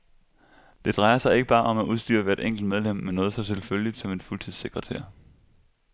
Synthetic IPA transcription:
d̥e̝d̥ʁɑ̈ɪɐsɑ̈ɪe̝ɡ̥əb̥ɑ̈ːʔɒ̽mæuðˠsd̥y̰ːɐʋæːɐe̝d̥eŋ̰ɡ̥l̩d̥með̞ˠlem̰mːenɔːð̞̩ˠsɒ̽sʰelfølid̥sɒ̽me̝d̥fult͡sʰið̰ˠse̝ɡ̥ʁɐt͡sʰæɐ̰

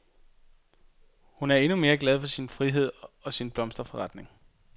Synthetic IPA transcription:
hunæɐe̝nume̝ːɐɡ̥lɛð̞̩ˠfɒ̽sinfʁiɦe̝ð̞̰ˠɒ̽sinb̥lɒ̽msd̥ɐfɒ̽ʁɑ̈d̥ne̝ŋ

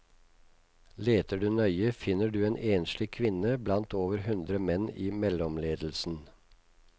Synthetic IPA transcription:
leːt̪əɖʉnœʏəfɪnəɖʉːeːnʔeːnʃlɪkʰʋɪnəblɑnt̪oːʋəɾhʉnd̪ɾəmɛniːmɛlɔmleːd̪l̩sn̩

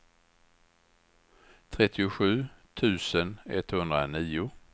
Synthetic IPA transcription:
t̪ʰɾɛt̪ʰːɪʊɧʉ̟ːt̪ʰʉ̟ːsənɛ̰t̪hɵnd̪ɾaniːʊ

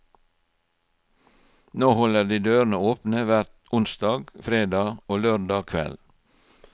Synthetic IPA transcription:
noːhɔləd̪iːd̪øːɾnəoːpnəʋæɾt̪ʊnsd̪ɑːɡfɾeːd̪ɑːoːløːɾdɑːkʰʋɛ̰l

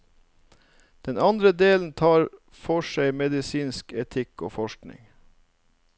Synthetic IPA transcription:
d̪̥ɛnɑnd̪ɾəd̪eːln̩t̪ʰɑːɾ | fɔʃæɪmɛd̪ɪsiːnskɛt̪ʰɪko̰ːfɔʃknɪ̰ŋ

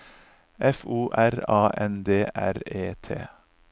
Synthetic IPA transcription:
ʔɛfuːʔæɾɑːʔɛnd̪eːʔæ̰ɾeːt̪ʰḛː

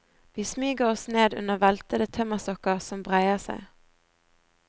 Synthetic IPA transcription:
ʋiːsmyːɡəʁɔsneːd̪ʉ̰nəʋælt̪əd̪ət̪ʰœməʁsɔkəʁsɔmbʁæɪəʁsæ̰ɪ

